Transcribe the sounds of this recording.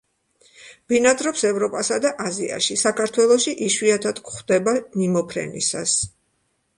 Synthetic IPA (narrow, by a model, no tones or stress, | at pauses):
b̥inad̪ʼɾɔpsɛvɾɔpʼasad̪aʔazia̰ʃisakʰaɾt̪ʰwɛlˠɔʃiʔiʃwiat̪ʰad̪̥kχd̪ɛbanimɔpʰɾɛ̰nḭsas